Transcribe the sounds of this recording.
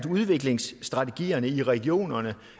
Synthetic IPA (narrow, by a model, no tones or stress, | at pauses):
d̥uð̞ˠʋe̝ɡ̥le̝ŋsd̥ʁɑ̈t͡sʰe̝ɡ̥ḭːɐnəiʁɛɡ̥io̝̰ːnɐnə